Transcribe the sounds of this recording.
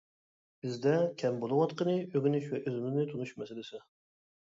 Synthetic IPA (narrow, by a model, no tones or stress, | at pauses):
b̥ɪzd̪ɛkʲʰɛmbolˠʊwɑt̪qənɨøɡʲinyʃvɛʔøzɪmɪznɪt̪ʰunuʃmɛsɪlɪsɪ